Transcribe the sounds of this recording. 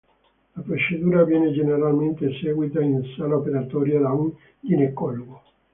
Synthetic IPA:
lapɾot͡ʃed̪uːɾavjɛːned͡ʒeneɾalment̪esɛːɡwit̪ainsalaopeɾat̪ɔːɾjalaw | d̪inekːɔlɡo

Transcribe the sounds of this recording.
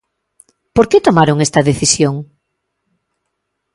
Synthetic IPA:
poɾket̪omaɾoŋest̪ɐðeθisjoŋ

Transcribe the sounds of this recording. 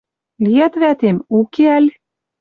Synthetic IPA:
lʲiæt̪væt̪emukeælʲ

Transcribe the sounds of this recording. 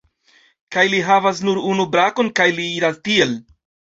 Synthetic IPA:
kajliɦavas̬nuɾunubɾako̞nkajliiɾastie̞l

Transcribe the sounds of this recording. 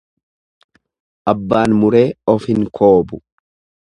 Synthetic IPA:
ʔɐbːaːnmʊɾe̞ːɔfhɪŋkʰo̞ːbʊ

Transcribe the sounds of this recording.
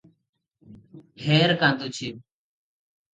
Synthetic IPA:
hʰeːɾkãːnd̪uːt͡ɕʰiː

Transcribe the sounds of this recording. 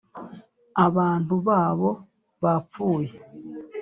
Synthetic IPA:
aβaːntuβaːβo̞ | βap͡fuːje

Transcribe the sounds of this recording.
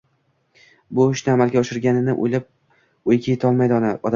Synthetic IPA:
bʊʊʃnɪamalˠɡʲaɒʃɪɾɡʲanɪnɪʔo̰jlap̚ | ojkʲajet̪ʰɒlˠmajd̪ɒnaɒd̪a

